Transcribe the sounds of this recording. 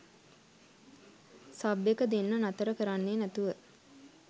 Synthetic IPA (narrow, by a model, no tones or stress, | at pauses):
sabekəd̪enːənat̪əɾəkəɾanːeːnæt̪uʋə